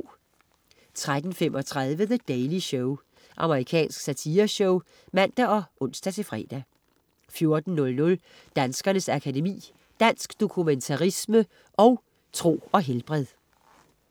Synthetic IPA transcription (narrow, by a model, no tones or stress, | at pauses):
t͡sʰʁad̥n̩femʔɒ̽t͡sʰʁað̞ˠʋəðəd̥eɪliɕɔʊ | ʔɑ̈məʁikʰɛ̰ːnsɡ̥sæt͡sʰiːɐɕɔʊ | mæn̰d̥æɒ̽ʔɔ̽n̰sd̥æt͡sʰe̝fʁɛ̰ːd̥æ | fjo̝ɐd̥n̩ːɔ̽lnɔ̽l | d̥ænsɡ̥ɐnəsækʰæde̝mḭː | d̥æn̰sɡ̥d̥o̝kʰument͡sʰɑʁismə | ʔɒ̽ʊ | t͡sʰʁo̝̰ːɒ̽ɦelb̥ʁɛð̰ˠ